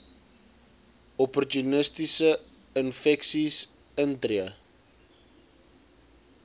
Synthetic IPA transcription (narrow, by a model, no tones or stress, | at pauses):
ɔpɔrtunəstisə | ənfɛksis | əntriə